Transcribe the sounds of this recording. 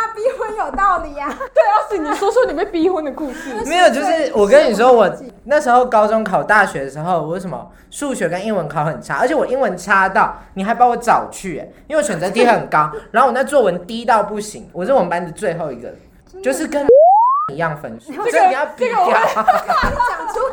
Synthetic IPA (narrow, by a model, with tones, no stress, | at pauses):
a˥pi˥xwə˥njo˨˩ʊt̪ɑ˥˩ʊd̪ə˨a˨˩t̪we˥˩˥ni˨˩swɔ˥swɔ˥ni˨˩pe˥˩pi˥xə˥nd̪ə˨ku˥˧ʂ̩˥˩me˧˥ɪjo˨˩ʊt͡ɕjo˥˧ʊʂɻ̩˥˨wɔ˨˩kə˦ni˨˩ʂ̬̩˧o˦˥˩wɔ˨˩na˥˩ʂ̩˧˥xo˥˩ʊkɑ˥ʊt͡sʊ˥˦ŋkʰɑ˨˩ʊt̪a˥˩ɕɥɛ˧˥d̪ə˨ʂɻ̩˧˥xo˥˧ʊwʂə˧˩mə̰˦ | ʂu˥˧ɕɥɛ˧˥kə˦ni˥ŋwə˧˦nkʰɑ˨˩ʊxə˨˩nʈ͡ʂʰa̰˦˥ə̰˧˥t͡ɕʰjɛ˨˩wɔ˨˩ʔi˥nwə˧˦nʈ͡ʂʰa˥t̪ɑ˥˩ʊni˨˩xa˧˥ɪpa˧˥wɔ˨˩˦t͡sɑ˨˩ʊt͡ɕʰy˥˩ɛ̰˨˩i˥we˧˩ɕɥɛ˨˩nt͡sə˧˥t̪ʰi˧˥xə˨˩nkɑ˦ʊɻa˨˧˦o˥˩wna˥˧t͡swɔ˥˩wə˧˦nt̪i˦˥t̪ɑ˥˧ʊpu˥˩ɕi˧˦ŋwɔ˨˩ɻə˥˩˨wə˧˦npa˦nd̪ə˨t͡swe˥˧ɪxo˥˩ʊi˧˥ɡə̰˨ | t͡ɕo˥˧ʊʂɻ̩˥˩kə˦ni˧˦jɑ˥˩ŋfə˧˥nsu˥˩˥ə˥˩˨jɑ˥˧ʊpi˧˥˧jɑ˥˨˥